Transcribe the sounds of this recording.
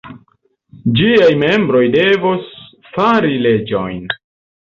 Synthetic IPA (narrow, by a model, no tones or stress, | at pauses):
d͡ʒiajme̞mbɾo̞jde̞vos | faɾile̞d͡ʒo̞̰jn